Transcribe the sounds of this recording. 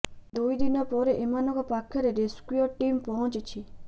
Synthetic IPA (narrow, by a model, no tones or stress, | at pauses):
d̪uid̪inapɔɾeʔimanɔkapakʰjɔɾeɾeskuoʈimpɔɦɔ̃t͡ʃt͡ʃʰi